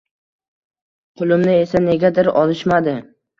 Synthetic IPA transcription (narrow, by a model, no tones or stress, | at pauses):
qʰʊlˠɪmnɪe̞sane̞ɡʲad̪ɪɾɒlˠɪʃmad̪ɪ